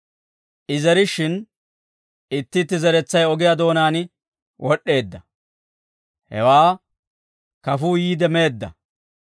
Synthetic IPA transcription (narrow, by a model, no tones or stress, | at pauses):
ʔɪzɛɾɪʃɪn | ɪt̪ːɪt̪ːɪzɛɾɛt͡sːɐjɔɡɪjaːd̪o̞ːnaːnɪ | wʔɔɗːe̞ːd̪ːɐ | hɛ̰waː | kɐfuːjiːd̪ɛme̞ːd̪ːɐ̰